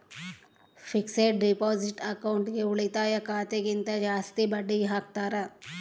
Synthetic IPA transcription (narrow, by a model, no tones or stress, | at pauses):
fɪkseʈ̚ɖipɔːzɪʈɐkaʊɳʈɡeʊɭit̪ajɐkaːt̪ekint̪ad͡ʒaːst̪ibɐɖiɦɐk̚t̪aːɾa